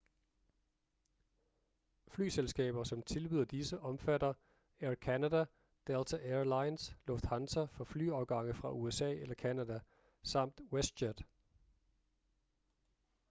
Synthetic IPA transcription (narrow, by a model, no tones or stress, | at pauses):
fly̰ːselsɡ̥ɛ̰ːb̥ɐsɒ̽mt͡sʰe̝lb̥yð̰ˠɐd̥isəʔɒ̽mfædɐ | æɐkʰænædæ | d̥elt͡sʰæʔelɑ̈ɪnslɔ̽fd̥hɑnsɐfɒ̽fly̰ːɒʊɡ̥ɑ̈ŋ̰ð̩ˠfʁɑ̈ʔuesɛ̰ːelɐkʰænædæ | sɑ̈m̰d̥wesɕæd̥